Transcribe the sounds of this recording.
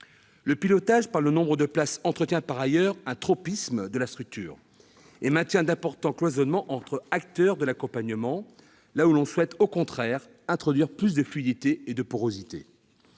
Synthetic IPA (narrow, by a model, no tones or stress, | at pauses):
ləpilɔt̪aʒpaʁlənɔ̃bʁəd̪əplasɑ̃t̪χət̪jɛ̃paʁajœʁɛ̃t̪χɔpismd̪əlast̪χyk̚t̪y̰ːʁ | emɛ̃t̪jɛ̃d̪ɛ̃pɔʁt̪ɑ̃klwazɔnmɑ̃ʔɑ̃t̪χəak̚t̪œʁd̪əlakɔ̃paɲəmɑ̃ | laulɔ̃swɛt̪okɔ̃t̪χɛʁ | ɛ̃t̪χɔd̪ɥiʁplys̬d̪əflɥid̪it̪eed̪əpuʁozit̪ḛ